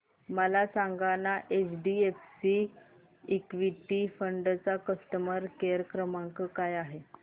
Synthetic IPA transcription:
məlasaŋɡanaʔet͡sɖiefsi | ikʋiʈifəɳɖt͡sakəsʈəməɾkeɾəkɾəmaŋkəkajaɦe

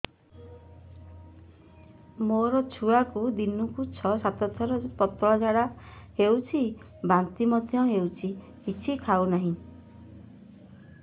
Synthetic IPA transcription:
moɾɔt͡ʃʰuakud̪inukut͡ʃʰɔsat̪ɔt̪ʰɔɾɔpɔt̪ɔɭɔd͡ʒaɽahewt͡ʃʰi | bant̪imɔd̪ʱjɔɦewt͡ʃʰi | kit͡ʃʰikʰawnaɦĩ

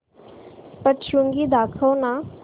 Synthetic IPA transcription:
pəʈʃuŋɡiːd̪aːkʰəːnãː

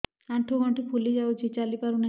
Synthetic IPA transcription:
aɳʈʰuɡʱɔɳʈipʰulid͡ʒawd͡ʒet͡ʃalipaɾuna

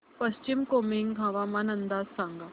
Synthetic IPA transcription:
pəɕt͡ɕimkomiŋɡʱãʋamanənd̪ad͡zsãŋɡa

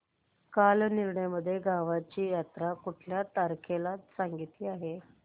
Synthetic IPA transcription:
kalniɾɳjaməd̪ʱːjeɡʱaʋat͡ɕiːjat̪ɾakuʈʰljat̪aɾkʰelasaŋɡit̪iːaɦe

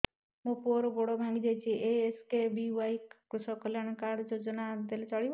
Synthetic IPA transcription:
mũpuɾɔbɔɽɔbʱãŋɡid͡ʒajt͡ʃʰiʔeeskebiwajkkɾusɔkɔljañɔkaɽd͡ʒod͡ʒɔnad̪elet͡ʃɔɽib

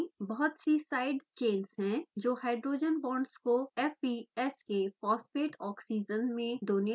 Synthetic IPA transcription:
bɐɦɔt̪sisaːɪɖt͡ʃẽːnsɦɛ̃d͡ʒoːhaːɪɖɾoːd͡ʒənbɔ̃ːɳɖskoɛfiɛskepɔːspeːʈɔːksiːd͡ʒənmẽd̪oːni

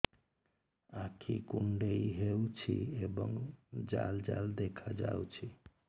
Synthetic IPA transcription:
akʰikuɳɖeiɦewt͡ʃʰḭeboŋd͡ʒald͡ʒald̪ekʰad͡ʒa̰wt͡ʃʰi

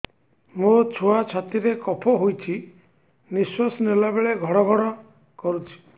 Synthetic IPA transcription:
mot͡ʃʰoat͡ʃʰat̪iɾekɔpʰɔɦojt͡ʃʰi | niswasɔnelabeɭeɡʱɔɽ̃ɔɡʱɔɽ̃ɔ | kɔɾut͡ʃʰi̥

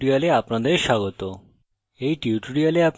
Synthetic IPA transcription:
ɽialeapnad̪eɾʃaɡɔt̪o | ejʈiuʈuɽijaleap

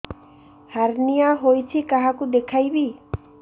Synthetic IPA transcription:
haɾnijaɦojt͡ʃʰikaɦakud̪ekʰajbi

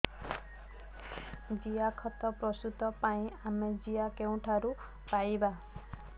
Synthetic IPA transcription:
d͡ʒiakʰɔt̪ɔpɾɔsut̪ɔpaĩamed͡ʒijakeũʈʰaɾu | pajba

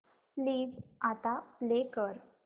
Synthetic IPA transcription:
pliːd͡zat̪aplekəɾ

